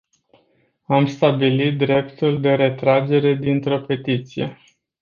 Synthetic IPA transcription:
amst̪abilit̪̚d̪ɾe̞pt̪uld̪e̞ɾe̞t̪ɾad͡ʒe̞ɾe̞d̪int̪ɾo̞pe̞t̪it̪sije̞̰

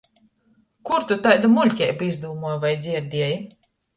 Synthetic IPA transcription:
kuɾt̪ut̪ajd̪amulʲkʲɛjbizd̪uːmɔjvajd̪zʲiɛɾd̪ʲiɛji

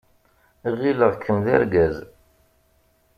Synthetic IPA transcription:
ʁiləʁkʰːəmðæ̰ɾɡæz

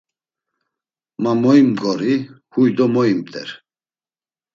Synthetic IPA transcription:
mamɔimɡɔɾi | hujd̪ɔmɔimt̪ʰʼɛ̰ɾ

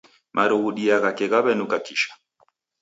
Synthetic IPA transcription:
mʔaɾɔɣuɗiaɣakɛɣaβɛnukakiʃḁ

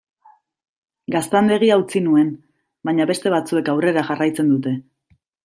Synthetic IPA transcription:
ɡast̪and̪eɣ̞iaut͡sinue̞n | baɲaβe̞st̪e̞β̞at͡sue̞kawre̞ɾaxarajt͡se̞nd̪ut̪e̞

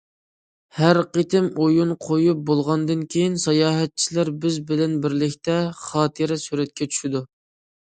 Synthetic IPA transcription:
hæɾqet̪ʰɪmojunqʰojup̚bolˠʁɑnd̪ɨnkʲʰejinsɑjɑːɦɛt̪̚t͡ʃʰilæɾbɪzbɪlɛnbɪɾlɪkʲt̪ɛχɑːt̪ʰɨɾɪsyɾɛt̪̚kʲʰɛt͡ʃʰy̥ʃid̪u

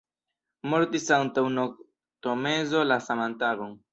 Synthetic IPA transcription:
mo̞ɾtisantawnok̚ | tome̞zo̞lasamantaboŋ

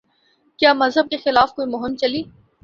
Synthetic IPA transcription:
kjaːmɐzɦəb̚kexɪlaːfkoːimʊɦɪmt͡ʃɐliː

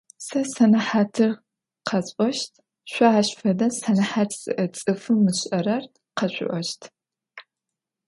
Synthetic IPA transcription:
sɐsɐnɐħaːtʰɨr | qʰɐt͡sʼɔʃtʰ | ɕʷɔaːɕfɐdɐnsɐnɐħaːtʰz̥ɨ̰ʔɐt͡sʼɨfɨmːɨɕʼɐɾɐr | qɐɕʷʊ̰ʔʷɔʃtʰ

